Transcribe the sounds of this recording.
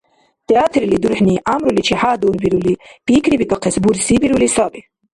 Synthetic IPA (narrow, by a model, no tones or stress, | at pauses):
t̪ɛaːt̪ʰɾilid̪uɾħniːʔaːmɾulit͡ʃʰihaːd̪uːɾbiɾulib̥iːkʰɾibik̪ʼaqʰɛsbuɾsibiɾulisabi